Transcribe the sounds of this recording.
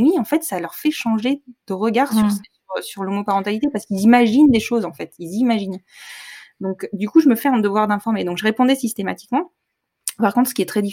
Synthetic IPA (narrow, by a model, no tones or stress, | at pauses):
wiɑ̃fɛt̪salœʁfɛʃɑ̃ʒed̪̥əʁəɡaʁsyʁsɛsyʁsyʁlomopaʁɑ̃t̪alit̪epaʁsə̥kilzimaʒind̪eʃozɑ̃fɛt̪ilzimaʒin | d̪ɔ̃kd̪ykuʒəməfɛɛ̃d̪əvwaʁd̪ɛ̃fɔʁmed̪ɔ̃kʒəʁepɔ̃d̪ɛsist̪ema̰t̪i̥kmɑ̃ | paʁkɔ̃t̪χsə̥kiɛt̪χɛd̪i